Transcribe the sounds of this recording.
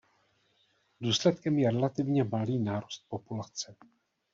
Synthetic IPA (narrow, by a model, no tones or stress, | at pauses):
duːslɛt̪kɛmjɛɾɛlat̪ɪvɲɛmaliːnaːɾust̪̚po̞pulat͡sɛ